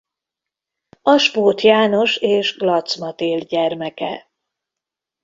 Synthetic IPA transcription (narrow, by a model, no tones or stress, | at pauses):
ɒʃpoːt̪jaːno̞ʃeːʒɡlɒt̪smɒt̪eːlɟɛrmɛkɛ̰